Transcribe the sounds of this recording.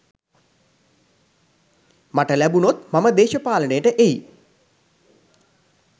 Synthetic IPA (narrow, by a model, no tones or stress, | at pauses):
maʈəlæbunot̪maməd̪eːʃɐpaːlənejəʈəʔeji